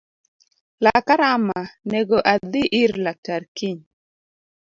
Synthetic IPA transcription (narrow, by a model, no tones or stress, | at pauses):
lakaɾamanɛɡoʔad̪ɪʔɪɾlak̚taɾkiɲ